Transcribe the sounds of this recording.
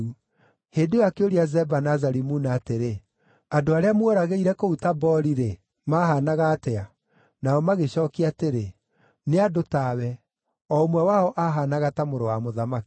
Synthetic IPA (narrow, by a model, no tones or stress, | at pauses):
u | heːdewakeoɾiazɛbanazaɾimunaːteɾe | adoaɾeamwoɾaɣeiɾɛkoutabɔɾiɾe | maːɦanaɣaːtɛa | naɔmaɣeɕɔːkiateɾe | neadotawɛ | ɔomwɛwaɔʔaɦanaɣatamoɾowamoðamaki̥